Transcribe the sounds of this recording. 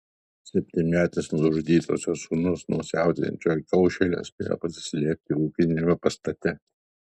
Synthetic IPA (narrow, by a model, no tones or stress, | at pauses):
sʲɛpʲt̪ʲɪmʲæːt̪ʲɪsnʊʊʒʊd̪ʲiːt̪ʰo̰ːsʲoːsunʊsnɐʊsʲæˑʊt̪ʲɛ̰nʲt͡ʃʲoːjkɐʊʃʲɛlʲo̰sʲpʲḛːjo̰pɐsʲɪ̥sʲlʲiɛp̚ʲt̪ʲɪɾuːkʲɪnʲemʲɛpɐst̪ɐt̪ʲɛ